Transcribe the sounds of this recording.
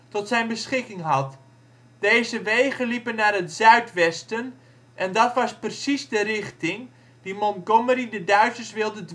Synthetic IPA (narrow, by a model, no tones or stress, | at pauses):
tɔtsɛjnbəsχɪkɪŋɦɑt | d̥ejzəʋejχənlipənaːrɦətzœɥtʋɛstən | ʔɛndɑtʋɑsprəsizdərɪχtɪŋ | dimɔnɡoməridədœɥsəsʋɪlˠdəd